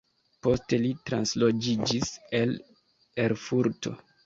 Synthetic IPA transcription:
po̞ste̞litɾanslo̞d͡ʒid͡ʒise̞l | e̞ɾfuɾto̞̰

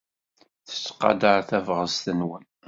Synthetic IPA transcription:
θə̥t͡sːqːɑ̰d̪əɾθævʁəzt̪ənwən

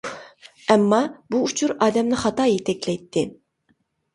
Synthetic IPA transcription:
ɛmːɑbuːt͡ʃʰuɾɑːd̪ɛmnɪχɑt̪ɑːjet̪ʰɛkʲlɛjt̪ʰːɪ

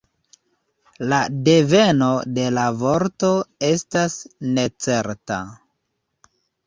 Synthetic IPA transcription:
lade̞ve̞no̞de̞lavo̞ɾto̞e̞stasne̞t͡se̞ɾta̰

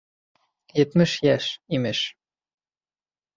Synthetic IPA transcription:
jɘ̆t̪mɘʃjæʃimɘʃ

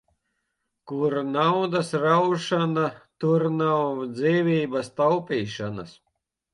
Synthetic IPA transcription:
kuɾnawd̪asɾawʃanat̪uɾnawd̪ziːvʲiːbast̪awpʲiːʃanas

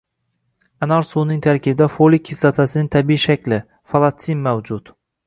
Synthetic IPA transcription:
anaɾsunɪŋt̪ʰaɾkʲʰɪbɪd̪afolɪkʲʰːɪsat̪ʰasɪnɪŋt̪ʰabiiʃakʲlɪ | falˠat̪sinmawd͡ʒʊt̪

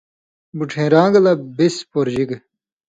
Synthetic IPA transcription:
buʈʰẽːɾãːŋɡɐlɐbispoɾd͡ʑiɡe

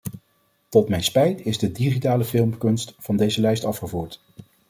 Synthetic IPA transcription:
tɔtmɛjnspɛjtɪzdədiχitaːləfɪlˠmkɵnstvɑndejzəlɛjstɑfχəvuːɹt

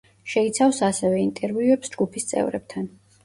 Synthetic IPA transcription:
ʃɛit̪sʰafsasɛvɛint̪ʼɛɾviuɛpsd͡ʒɡupʰist̪sʼɛ̰vɾɛ̰b̚t̪ʰan

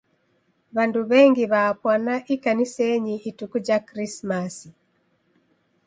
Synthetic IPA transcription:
βanduβɛŋɡiβaːpwanaʔikanisɛɲiʔːtukud͡ʒakɾismasi

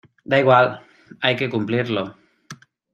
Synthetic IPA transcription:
d̪aiɣ̞wal | ajkekumpliɾlo

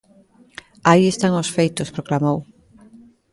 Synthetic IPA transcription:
aiest̪aŋosfejt̪ospɾoklamow

